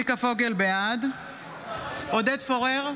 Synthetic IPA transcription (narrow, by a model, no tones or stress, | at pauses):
ikafo̞ɡe̞lbead̪ | od̪edfoʁeʁ